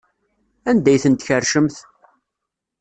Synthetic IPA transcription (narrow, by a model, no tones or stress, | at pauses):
ænd̪æjθənt̪çərʃəmθ